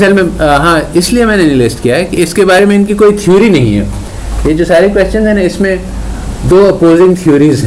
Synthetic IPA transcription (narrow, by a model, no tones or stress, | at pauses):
sɛlmẽɦãɪsliemɛ̃ːnenɪlesʈkijaɦɛkiɪskebaːɾemẽɪnkikoːit̪ʰijuːɾinɐɦḭ̃ɦɛ̰ː | jed͡ʒoːsaːɾikʋɛst͡ʃənzɦɛnaɪsmẽ | d̪oːɐpoːzɪ̃ŋɡ̚t̪ʰijuːɾizɦɛ̃